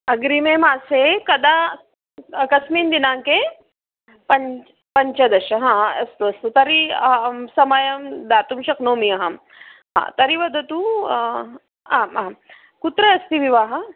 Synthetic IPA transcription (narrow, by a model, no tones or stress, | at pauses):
ɐɡɾimeːmaːsekɐd̪a | ɐkɐsmiːnd̪inaːŋke | pɐɲ | pɐɲt͡ʃɐd̪ɐʃɐɦãːɐ̰st̪uɐst̪ut̪ɐɾi | sɐmɐjɐmd̪aːt̪umʃɐknoːmiɐɦɐm | ɦã̰ːt̪ɐɾiʋɐd̪ʱɐt̪u | aːmɐɐ | kut̪ɾɐːst̪iʋiʋaːɦɐ